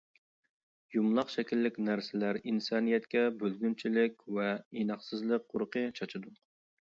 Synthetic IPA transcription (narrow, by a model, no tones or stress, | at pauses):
jumlˠɑχʃɛkʲilːɪkʲnæɾsɪlæɾinsɑnijɛt̪kʲɛbølɡʲynt͡ʃʰilɪkʲvɛinɑχsɨzlˠəq̚qːʰoɾqət͡ʃʰɑt͡ʃʰɨd̪u